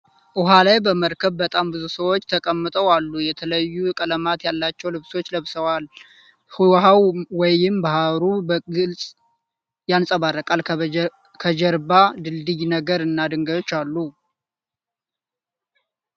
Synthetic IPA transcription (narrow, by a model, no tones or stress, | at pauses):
ʔʊɦalajbəməɾkʰəβbət̪ʼambɨzusəwo̞t͡ʃːt̪ʰəkʼəmːɨt̪ʼəwalːujɛt̪ʰələjːukʼələmat̪jalːat͡ʃːɛwlɨβso̞t͡ʃːləβsəwal | huwɦawwɔjɪmbahaɾubəɡɨlsʼ | jansʼəβarːəkʼal | kʰəd͡ʒəɾbad̪ɨld̪ɨjnəɡəɾɨnːad̪ɨŋɡəjo̞t͡ʃːalːu